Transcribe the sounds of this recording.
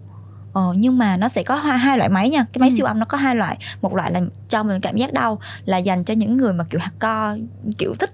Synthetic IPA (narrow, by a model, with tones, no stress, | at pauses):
ʔəː˨˩ɲɨ˧ŋmaː˨˩nɔ˨˦sɛ̰˧˥kɔ˨˦ɦwaː˧ɦaː˧jlwa̰ː˧˨jma˨˦jɲaː˧kaː˨˦jma˨˦jsi˧əwʔa˧wŋ͡mnɔ˨˦˥kɔ˨˦ɦaː˧jlwa̰ː˧˨jmo˨˩t̚la̰ː˧˨jlaː˨˩t͡ɕɔ˧mï˨˩ŋ̟kaː˧˩mzaː˦˥k̚ɗə˧wlaː˨˩za˨˩jŋ̟t͡ɕɔ˧ɲɨ̰˧˥ŋːɨ˨˩əjmaː˨˩ki˧˩wha˨˩k̚kɔ˧kḭ˧˩əwt̪ʰï˦˥k̚